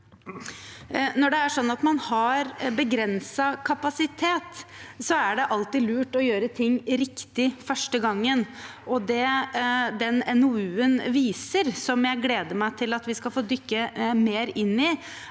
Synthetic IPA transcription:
nɔɖɛæʂɔnːɑt̪mɑnhɑɾbəɡɾɛnsɑkʰɑpɑsɪt̪ʰeːt̪sɔæɖɛʔɑlt̪ɪlʉːʈɔjøːɾət̪ʰɪŋːɾɪkt̪ɪfœʂʈəɡɑŋːənʔɔd̪ɛ | d̪ɛnɛnʊʉːənʋiːsəɾsɔmjæɪɡleːd̪əmæɪt̪ʰɪlɑt̪ʋɪskɑlfoːd̪ʏkːəmeːɾɪnːɪ

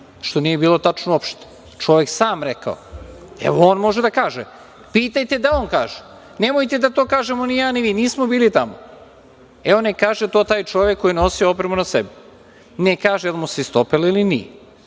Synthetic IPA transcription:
ʃt̪o̞nije̞biːlˠo̞t̪at͡ʃnoopʃt̪o̥ | t͡ʃo̞ʋeksaːmɾeka̰o̰ | ḛʋooːnmo̞ʒed̪akaːʒḛ | piːt̪ajt̪e̞d̪aoːnkaːʒe | nemojt̪e̞d̪at̪oːkaːʒemonijaːniʋiːniːsmobiːlit̪amo̰ | eonekaːʒet̪oːt̪aːjt͡ʃo̞ʋekːojinosiopɾemunasebi | nekaːʒealimuseist̪opelilinḭːe

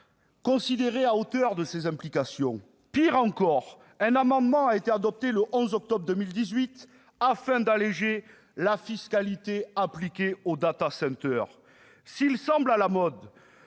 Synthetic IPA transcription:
kɔ̃sid̪eʁeaot̪œʁd̪əsezɛ̃mplikasjɔ̰̃ | piʁɑ̃kɔʁ | ɛ̃namɑ̃d̪mɑ̃aet̪ead̪ɔp̚t̪eləʔɔ̃zɔk̚t̪ɔbʁd̪əmild̪izɥit̪ | afɛ̃d̪aleʒe | lafiskalit̪eaplikʲeod̪at̪asɛ̃t̪œʁ | silsɑ̃blalamɔd̪

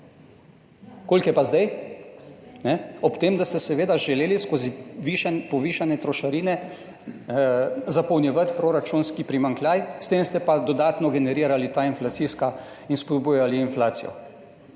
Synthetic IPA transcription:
koːlkjɛpazd̪aj | nɛɔpt̪eːmd̪ast̪ɛsɛʋeːd̪aʒɛleːliskoːziʋiʃanpɔʋiːʃanɛt̪ɾɔʃaɾiːnɛ | zapɔwnjɛʋat̪pɾoɾat͡ʃunskipɾimaŋklʲjaːjst̪emst̪ɛpad̪ɔd̪aːt̪nɔɡɛnɛɾiːɾalit̪ainflat̪siska | inspɔd̪buːjaliːnflaːt̪sijɔ̰

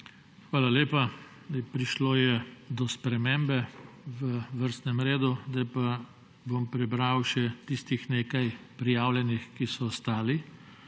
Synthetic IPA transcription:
xʋaːlaleːpa | pɾiʃloːjɛd̪ɔspɾɛmembɛʋəʋəɾst̪nɛmɾeːd̪ud̪ajpa | bompɾɛbɾawʃɛt̪ist̪ixneːkajpɾijaːwlʲjɛnixkisɔːst̪aːli

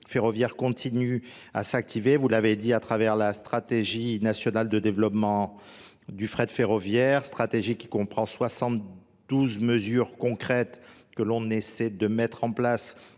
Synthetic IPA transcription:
feʁɔvjɛʁkɔ̃t̪ʰiny | a̰sak̚t̪ʰivevulaved̪iat̪χavɛʁlast̪χat̪eʒinasjɔnald̪əd̪evlɔpmɑ̃ | d̪yfχɛd̪əfeʁɔvjɛʁst̪χat̪eʒikʲi̥kɔ̃pχɑ̃swasɑ̃t̪ | d̪̥uzməzyʁkɔ̃kχɛt̪kəlɔ̃nesɛd̪əmɛt̪χɑ̃plas

